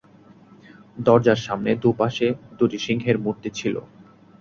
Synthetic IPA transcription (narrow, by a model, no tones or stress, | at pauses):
d̪ɔɾd͡ʑaɾʃamned̪upaʃed̪uʈiʃiŋɡʱeɾmuɾt̪et͡ɕʰilo̰